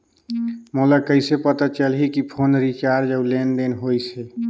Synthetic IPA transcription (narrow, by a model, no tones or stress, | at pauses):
molakəɪsepət̪at͡ʃəlɦikipʰonɾit͡ʃaɾd͡ʒəlend̪enɦojsɛ